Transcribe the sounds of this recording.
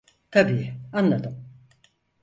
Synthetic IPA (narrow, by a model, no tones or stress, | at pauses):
t̪ʰabiːanlˠad̪ɯm